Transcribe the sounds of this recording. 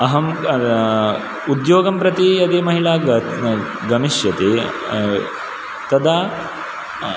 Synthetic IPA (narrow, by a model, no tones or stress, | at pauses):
ɐɦɐm | ud̪joːɡɐmpɾɐt̪iɐd̪eːmɐɦiɭaːɡɐ | ɡɐmiʃjɐt̪eː | t̪ɐd̪aː